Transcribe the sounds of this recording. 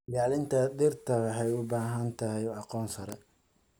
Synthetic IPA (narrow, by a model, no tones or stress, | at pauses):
jaːlɪnt̪ʰɐdɪrt̪ʰɐwɑħɛjʊbaːɦɐnt̪ʰɐhɛjɑqɔːnsɐɾɛ